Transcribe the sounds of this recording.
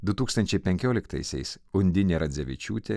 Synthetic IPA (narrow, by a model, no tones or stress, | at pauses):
d̪ʊt̪uːkst̪ɐnʲt͡ʃʲɛɪpʲɛŋʲkʲoːlʲɪkt̪ɐ̰ɪsʲɛ̰ɪs | ʊnʲd̪ʲɪnʲeɾɐd̪zʲɛʋʲɪ̰t͡ʃʲṵːt̪ʲeː